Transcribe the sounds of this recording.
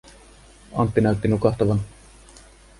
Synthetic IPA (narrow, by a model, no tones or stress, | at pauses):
ɑ̰nt̪ːinælt̪ːinukɑht̪ɑʋɑn